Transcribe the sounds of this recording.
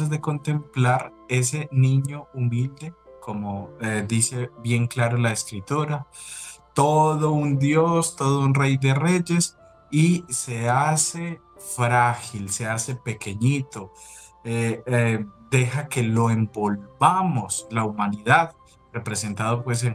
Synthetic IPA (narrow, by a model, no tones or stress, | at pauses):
azðe̞ko̞nt̪e̞mplaɾe̞s̬e̞nĩɲo̞umild̪e̞kʰo̞moed̪ise̞bje̞ŋklaɾolaeskɾit̪oɾat̪o̞ðo̞und̪jo̞st̪o̞ðounre̞jd̪e̞re̞ʝe̞s | ise̞ase̞ | fɾaxilse̞ase̞pe̞ke̞ɲit̪o̞ | e | d̪e̞xake̞lo̞e̞mbo̞lbamoslaumaniðað | re̞pɾe̞se̞nt̪aðo̞pwe̞s̬e